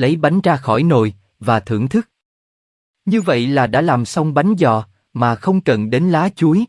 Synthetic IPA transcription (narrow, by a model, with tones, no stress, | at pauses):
lə˨˦jɓa˨˦jŋ̟zaː˧xɔ˧˩jno˨˩j | vaː˨˩t̪ʰɨ̰˧˩əŋt̪ʰɨ˦˥k̚ | ɲɨ˧və̰˧˨jlaː˨˩ɗa̰ː˧˥laː˨˩msa˧wŋ͡mɓa˨˦jŋ̟zɔ̰˧˨ | maː˨˩xə˧wŋ͡mkə̰˧˨nɗe˨˦nlaː˨˦t͡ɕu˨˦j